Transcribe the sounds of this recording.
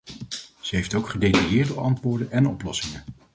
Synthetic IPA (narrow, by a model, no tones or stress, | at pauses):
z̥əɦejftowkχədejtajɪːɹtdəɑntʋʊːɹdənɛnɔplɔsɪŋən